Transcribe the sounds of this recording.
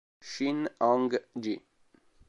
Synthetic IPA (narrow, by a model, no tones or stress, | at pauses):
ʃinɑŋɡd͡ʒi